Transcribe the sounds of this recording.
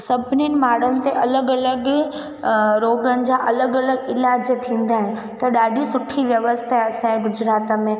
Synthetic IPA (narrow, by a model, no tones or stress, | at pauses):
sɐbʱninɪ̆maːɽənɪ̆t̪eʔɐləɡɐləɡ | ɾoːɡənɪ̆d͡ʑaʔɐləɡɐləɡɪlaːd͡ʑt̪ʰĩːn̆d̪aːɦɪnɪ̆ | t̪ɐɗaːɗisʊʈʰiʋjɐʋəst̪ʰaɐsãɡʊd͡ʑɾaːt̪əmẽ